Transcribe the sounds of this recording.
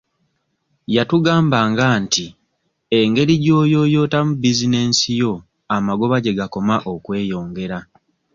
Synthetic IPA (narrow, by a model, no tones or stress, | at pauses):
jatuɡaːmbaŋɡaːnti | e̞ŋɡe̞ɾiɟo̞ːjo̞ːjo̞ːtamubizine̞ːnsijo̞ | amaɡo̞βaɟe̞ɡako̞maʔo̞kwe̞ːjo̞ːŋɡe̞ɾa